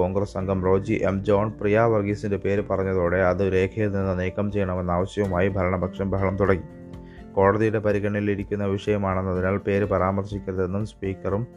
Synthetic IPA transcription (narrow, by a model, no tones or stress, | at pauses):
oːŋɡresɐŋɡʱɐmro̞ːd͡ʑiʔe̞md͡ʑo̞ːɳprijaːʋɐrɡisinde̞pe̞ːɾpɐrɐɲːɐðoːɽe̞ɐðɨɾe̞ːkʰɐjilninːɨneːkɐmt͡ɕe̞jːɐɳɐme̞nːaːʋɐɕjɐʋumaːjibʱɐɾɐɳɐbʱɐkʂɐmbʱɐɦɐɳɐmt̪uɽɐŋːi | ko̞ːɽɐðijuɽe̞pɐɾiɣɐɳɐjiliɾikʲːunːɐʋiʂɐjɐmaːɳenːɐðinaːlpe̞ːɾɨpɐɾaːmɐrɕikʲːɐðenːumspiːkːɐrum